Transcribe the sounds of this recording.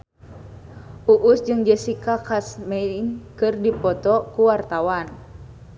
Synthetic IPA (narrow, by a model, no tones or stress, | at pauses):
ʔuʔusd͡ʒɨŋd͡ʒəsikakasmɛnkɨrdipɔt̪ɔkuwart̪awan